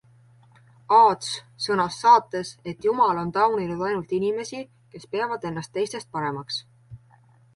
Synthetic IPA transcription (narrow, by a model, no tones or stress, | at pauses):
ɑːd̪s | sɤnɑsːɑːt̪ːˑe̞se̞t̪ːˑjumɑlo̞nt̪ɑwninud̪̥ɑjnult̪inime̞si | ke̞spe̞ɑvɑd̪e̞nːɑst̪ːe̞jst̪e̞st̪̚pɑɾe̞mɑks